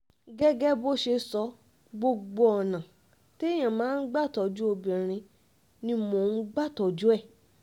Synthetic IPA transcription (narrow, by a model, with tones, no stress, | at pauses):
ɡɛ˦ɡɛ˦bo˦ʃe˧sɔ˧ | ɡ͡bo˧ɡ͡bo˧ɔ˨nã˨ | te˦j̃ã˨mãː˨˦n̩˦ɡ͡ba˦˨tɔ˨d͡ʒu˦o˧bĩ˨ɾ̃ĩ˧ | nĩ˧mo˨nũ˦ɡ͡ba˦˨tɔ˨d͡ʒu˦ɛ˦˨